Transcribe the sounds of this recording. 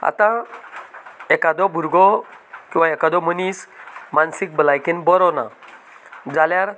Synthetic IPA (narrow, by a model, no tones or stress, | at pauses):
a̰t̪ã | ɛkad̪ɔbʱuɾɡɔkĩw̃ʋaekad̪ɔmənismansik̚bəlajkenbɔɾɔna̰ | d͡zaljaɾ